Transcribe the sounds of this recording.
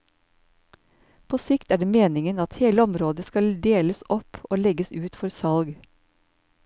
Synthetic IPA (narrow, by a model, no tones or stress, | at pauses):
pʰoːsɪkt̪æːɖeːmeːnɪŋənɑt̪heːləɔmɾoːd̪əskɑld̪eːləsɔpoːlɛɡəsʉːt̪fɔɾsɑlɡ